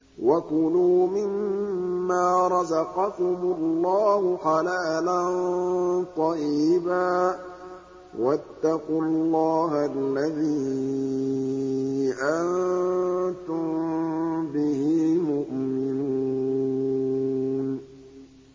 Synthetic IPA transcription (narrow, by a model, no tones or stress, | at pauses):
wakʊluːmɪmː | aːɾˤɑzɑqɑkʊmʊlːɑːhʊxɑlaːlant̪ˤɑjiːbaː | wat̪ːaqʊlːɑːhalːaðiː | ʔan | t̪ʊm | bɪhiːmʊʔmɪnuu | n